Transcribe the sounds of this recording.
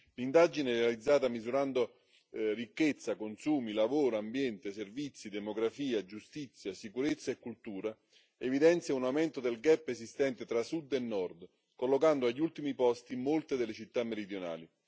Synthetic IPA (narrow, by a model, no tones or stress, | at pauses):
lind̪ad͡ʒinɛɾealid̪zːaːt̪amizuɾand̪o | rikːet̪sːakonsuːmilavoːɾoambjɛnt̪eservit̪sːid̪emoɡɾafiːad͡ʒust̪it̪sːjasikuɾet̪sːaekːult̪uːɾa | evid̪ɛnt̪sjaunawmɛnt̪od̪elɡɛpːezist̪ɛnt̪et̪ɾasud̪ːenːɔrd̪ | kolːokand̪oaʎːult̪imipɔst̪imolt̪ed̪elːet͡ʃit̪ːamːeɾid̪jona̰ːli